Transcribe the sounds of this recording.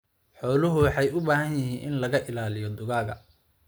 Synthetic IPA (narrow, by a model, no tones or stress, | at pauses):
ħɔːlʊɦʊwɑħɑjʊbaːɦɐnjɪɦiːnʔɪ̰nlɐɣɐʔɪlaːlɪjɔd̪ʊɣaːɣɐ̰